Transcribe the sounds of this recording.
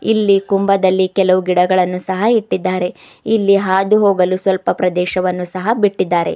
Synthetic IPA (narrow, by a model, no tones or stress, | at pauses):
ilːikumbɐd̪ɐlːikɛlɐʋuɡiɽɐɡɐɭɐnːusɐɦɐiʈːid̪ːaːɾe̞ | ilːiɦaːd̪uɦoːɡɐlusʋɐlpɐpɾɐd̪ɛːʃɐʋɐnːusɐɦɐbiʈːid̪ːaːɾe̞̰